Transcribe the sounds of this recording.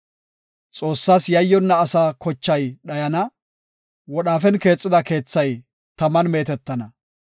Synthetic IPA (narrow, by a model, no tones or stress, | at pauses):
t͡sʼo̞ːsːaːsjɐjːɔnːɐːsaːkɔt͡ʃːɐjɗɐjɐnɐ | wɔɗaːfɛnke̞ːt͡sʼːɪd̪ɐke̞ːt͡sːɐj | t̪ɐmɐnme̞ːt̪ɛt̪ːɐnɐ